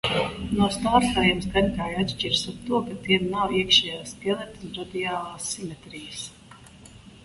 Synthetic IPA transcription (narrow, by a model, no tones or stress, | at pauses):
nust̪aːɾst̪ajamsɡanʲkaːjat̪ʃt͡ʃiɾsaɾt̪uɔkat̪iɛmnawiɛkʃɛjaːst̪iɛlˠɛt̪unɾad̪iaːlˠaːsːimɛt̪ɾijəs